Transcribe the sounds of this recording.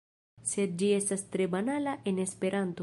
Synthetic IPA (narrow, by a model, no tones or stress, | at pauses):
set̪̚d͡ʒiesast̪ɾebanalaʔenespeɾant̪u